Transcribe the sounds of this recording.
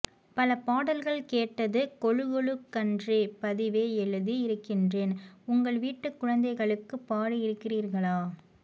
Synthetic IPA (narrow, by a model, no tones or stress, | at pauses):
pɐlɐpaːɽɐlɣɐɭkeːʈːɐðɯkɔɻɯɣɔɭɯkːɐndrepɐðɪʋeːɛlːɐðɯɪɾɯkːɪndreːnʊŋɡɐɭʋiːʈːɯkːʊɻɐnd̪ɐɪɣɐɭɯkːɯpːaːɽɯɪɾɯkːɪriːɾɣɐɭaː